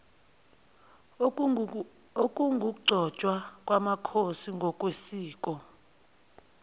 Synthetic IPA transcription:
okʼuŋɡʱuk̬uɡ͡ǀʱɔ̥t͡ʃʼwakʼwamakʰosiŋɡʱɔk̬ʼwesiːk̬ʼɔ

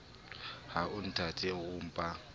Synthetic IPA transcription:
haʊn̩tʰatʰʼɛɣʊm̩pʼa

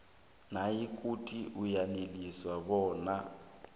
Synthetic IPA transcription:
najikʼutʼiʔujaneliswaβɔːna

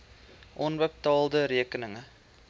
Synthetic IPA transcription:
ʔonʋɛp̚t̪ɑːlˠd̪əɾiəkənəŋə

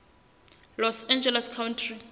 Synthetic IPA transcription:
lɔsɛnd͡ʒɛlɛskʰawntʰri

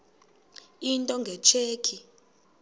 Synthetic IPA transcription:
intʼɔŋɡʱɛt͡ʃʰeːkʰi

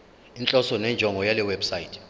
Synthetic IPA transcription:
int͡ɬʼɔsɔnɛnd͡ʒʱɔŋɡʱɔjalɛwɛbsajitʰɛ̥

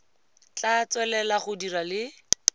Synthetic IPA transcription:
t͡ɬat͡swɛlɛlaχʊdiralɪ

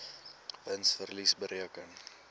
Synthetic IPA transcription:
vənsfərlisbəɾiəkən

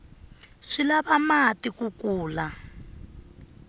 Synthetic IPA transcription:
ʂilaβamatikukuːla

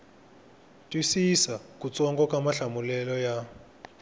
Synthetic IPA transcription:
tʼwisisakʼut͡sʼɔŋkʼɔkʼamaɬamulɛlɔja

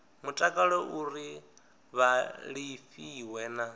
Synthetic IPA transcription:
mutʼakʼaɺɔʔuɾi | βaɺifiwɛːna

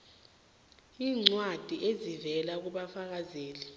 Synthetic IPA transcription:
iːŋ͡ǀwad̥ʱiʔezivɛlak̬uɓafak̬azeːli

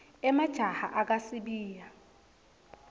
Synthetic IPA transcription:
ɛmad̥ʒ̥ʱaha̰ʔak̬asiɓiːja

